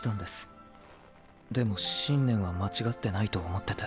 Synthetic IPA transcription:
t̪ãnd̪esɨ̥ | d̪e̞mo̞ɕĩnːẽ̞ɰ̃βamat͡ɕiɡat̪ːe̞nait̪o̞ːmo̞t̪ːe̞t̪a

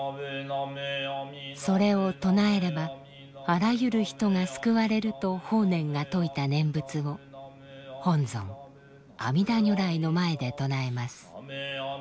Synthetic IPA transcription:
so̞ɾe̞o̞t̪o̞nae̞ɾe̞ba | aɾajɯ̟ɾɯ̟çi̥t̪o̞ŋasɨ̥kɯ̟βaɾe̞ɾɯ̟t̪o̞ho̞ːnẽ̞ŋɡat̪o̞it̪anẽ̞mbɯ̟t͡sɨo̞ | hõ̞nd͡zõ̞̰ŋ | a̰mʲid̪aɲ̟oɾaino̞mae̞d̪e̞t̪o̞nae̞masɨ̥

